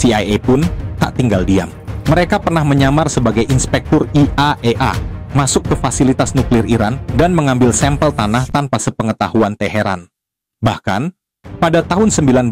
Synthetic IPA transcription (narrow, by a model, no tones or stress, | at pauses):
siajepʊnt̪a̰ʔt̪iŋɡaldia̰mːəɾekapərnahməɲamarsəbaɡajʔinspɛk̚t̪ɔriʔaʔeʔa̰masʊkːəfasilit̪asnuklɪriɾandanməŋambɪlsɛmpəlt̪anaht̪anpasəpəŋət̪ahuant̪ɛɦeɾa̰n | bahka̰n | padat̪aɦʊnsəmbilan